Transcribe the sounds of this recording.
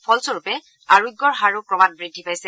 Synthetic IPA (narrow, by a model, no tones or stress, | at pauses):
pʰɔlsoɹupɛ | aɹuɡːɔɹɦaɹupɹɔbat̚bɹidʱːipajsɛ